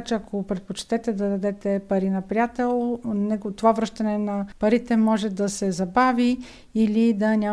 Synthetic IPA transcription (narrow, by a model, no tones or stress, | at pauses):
t͡ʃɛɐkʰopɾɛt̪̚pot͡ʃt̪ɛt̪ɛd̪ɐd̪ɐd̪ɛt̪ɛpɐɾinɐpɾijat̪ɛlˠnɛɡt̪ovavɾɤʃt̪ɐnɛnɐpɐɾit̪ɛmɔʒɛd̪ɐsɛzɐbavi | ilid̪ɐnʲa